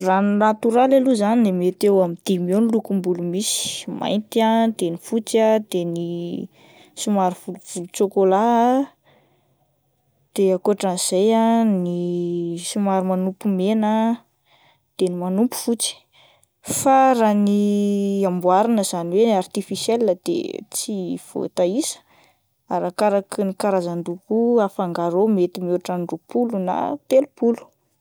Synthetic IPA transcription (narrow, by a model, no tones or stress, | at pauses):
rannat̪uɾalaluzaninemet̪ewamid̪̥imewnilukumbulumisi̥ma̰jnt̪iad̪̥enifut͡sad̪eni | sumaɾuvuluv̥ulut͡sokola | d̪̥eakoʈ͡ʂaniz̥ajani | sumaɾumanupumenə | d̪̥enimanupu̥fut͡si̥ | faɾaniambuaɾinəz̥aniwenart̪ifisjelnad̪̥ḛt͡siv̥o̰t̪aisə̥ | aɾakaɾaknikaɾazaɳɖ͡ʐukuafaŋɡaɾomet̪imoaʈ͡ʂaɳɖ͡ʐupuluna̰t̪elupulu̥